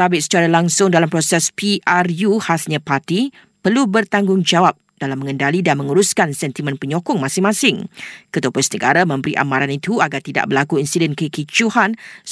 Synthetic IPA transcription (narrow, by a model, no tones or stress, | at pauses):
abɪʔsə̥t͡ʃaɾalaŋsʊŋdalampɾosɛspiʔarjuhasɲãpart̪i | pərlubərt̪aŋɡʊŋd͡ʒawap̚d̥alamə̃ŋə̃ndalidanmə̃ŋuɾʊskansɛnt̪imə̃npəɲɔkɔŋmãsɪŋmãsɪŋkət̪uəpʊnsnəɡaɾamə̃mbəɾḭʔa̰mãɾanit̪uaɡart̪ida̰ʔbərlakuinsidɛnkəkit͡ʃuhan